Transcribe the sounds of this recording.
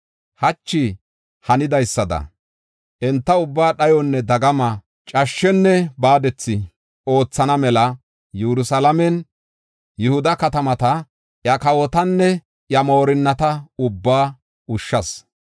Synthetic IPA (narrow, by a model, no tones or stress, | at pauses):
hɐt͡ʃːɪ | hɐnɪd̪ɐjsːɐd̪ɐ̰ | ʔɛnt̪ːɐʊbːaːɗɐjɔnːɛd̪ɐɡɐmɐ | t͡ʃʼɐʃːɛnːɛbaːd̪ɛt͡sːɪ | o̞ːt͡sːɐnɐmɛlɐ | juɾʊsɐlɐmɛn | jʊhʊd̪ɐkɐt̪ɐmɐt̪ɐ | jɐkɐwɔt̪ɐnːɛ | jɐmo̞ːɾɪnːɐt̪ɐʊbːaː | ʊʃːɐs